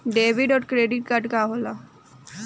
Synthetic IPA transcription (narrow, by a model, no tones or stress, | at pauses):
ɖeːʋiɖɔːʈkɾeːɖiʈ̚kəʈkaːɦoːla